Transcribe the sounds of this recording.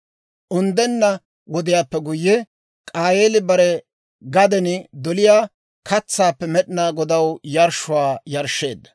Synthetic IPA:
ʔʊnd̪ɛnːɐ | wɔd̪ɪjaːpːɛɡʊjːɛ | kʼaːjeːlɪbɐɾɛ | ɡɐd̪ɛnɪd̪ɔlɪjaː | kʰɐt͡sːaːpːɛmɛɗɪnaːɡɔd̪ɐwjɐɾʃʊwaːjɐɾʃːeːd̪ːɐ̥

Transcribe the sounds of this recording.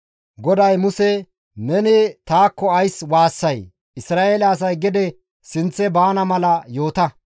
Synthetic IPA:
ɡɔd̪ɐjmʊsɛ | nɛnɪt̪aːkːɔɐjswaːsːɐj | ɪsɾaːʔeːlɐːs̬ɐjɡɪd̪ɛ | sɪnt͡sːɛbaːnɐmɐlɐjo̞ːt̪ɐ

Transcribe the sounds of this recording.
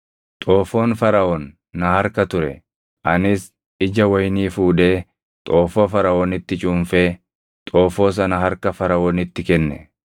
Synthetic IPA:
t̪ʼoːfo̞ːnfɐɾɐʔɔnː | ɐhɐɾkɐt̪ʊɾɛ̰ | ʔɐnɪs | ɪd͡ʒɐwɐjniːfuːd̪eː | t̪ʼo̞ːfoːfɐɾɐoːnɪt̪ːɪt͡ʃʼʊmfeː | t̪ʼoːfo̞ːs̬ɐnɐɦɐɾkɐfɐɾɐoːnɪt̪ːɪkɛnːɛ̰

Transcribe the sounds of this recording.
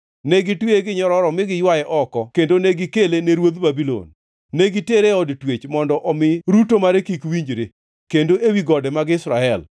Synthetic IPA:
nɛɡɪtweɡɪɲɔɾɔɾɔmɪɡɪjwajɛʔɔkɔkendoneɡɪkeleneɾwod̪babilo̰nː | eɡɪteɾeɔdtwet͡ʃmɔndɔʔɔmɪɾutomaɾekikwiɲd͡ʒɾe | kendoʔewiɡɔdɛmaɡɪsɾaɛl

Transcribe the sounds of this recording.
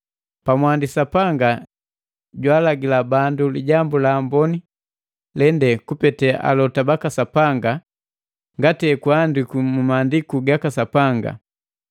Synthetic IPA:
pamwandisapaŋɡa | ɟwaːlaɡilabanduliɟambulaːmbɔni | lɛndɛkupɛtɛʔa̰lɔtabakasapaŋɡa | ŋɡatɛkwandikumumaːndikuɡakasapaŋɡa̰

